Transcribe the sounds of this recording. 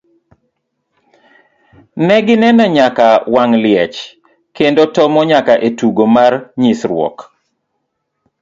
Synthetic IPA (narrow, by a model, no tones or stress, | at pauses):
nɛɡɪnɛnɛɲakawaŋlɪɛt͡ʃ | kendotɔmɔɲakaʔetuɡomarɲisɾwɔ̰k